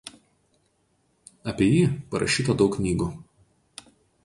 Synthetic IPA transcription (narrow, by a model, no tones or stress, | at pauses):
ɐpʲiɛjiːpɐɾɐ̰ʃʲiːt̪ɐd̪ɒʊkkːnʲiːɡuː